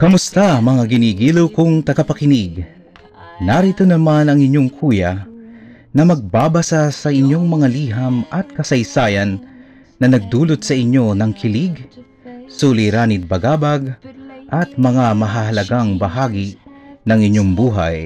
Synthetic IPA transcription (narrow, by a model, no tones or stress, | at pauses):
kɐmʊst̪amɐŋaɡɪniːɡiːlowkʊŋt̪ɐɡapɐkɪniɡ | naɾit̪onɐmanɐŋɪɲːoŋkʰuːja | nɐmɐɡ̚baːbɐsasɐɪɲːoŋmɐŋaliːɦamʔɐt̪̚kɐsɐjsaːjanː | ɐnɐɡ̚d̪uːlot̪̚sɐʔɪɲːo̞nɐŋkʰɪliɡ | suːlijɾaːnɪt̪̚bɐɡaːbaɡʔɐt̪̚mɐŋamɐɦɐɦɐlɐɡaŋbɐɦaːɡinɐŋɪɲːoŋbuːɦa̰j